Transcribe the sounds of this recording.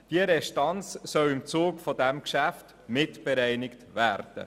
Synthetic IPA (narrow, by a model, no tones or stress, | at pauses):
d̥iəɾɛʃtɑnt͡ssœwɪmt͡suːkfodæmkʃæft | mɪtb̥ɛɾɛɪnɪktʋæːɾd̥ə̰